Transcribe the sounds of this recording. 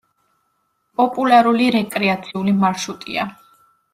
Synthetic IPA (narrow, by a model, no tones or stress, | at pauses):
pʼɔpʼulaɾuliɾɛkʼɾɛat̪sʰiulimaɾʃut̪ʼḭa̰